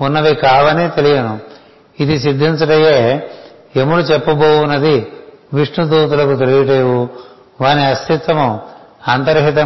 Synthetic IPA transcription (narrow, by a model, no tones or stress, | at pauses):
unːɐʋikaːʋɐneːt̪elijɐnu | id̪isid̪ʱːint͡ʃuʈɐjeː | emuɽut͡ʃɛpːɐboːwunɐd̪iʋiʂɳud̪uːt̪ulɐkut̪elijiʈ̬eːʋu | ʋaːniɐst̪it̪ʋɐmuaːnt̪ɐɾɦit̪ɐ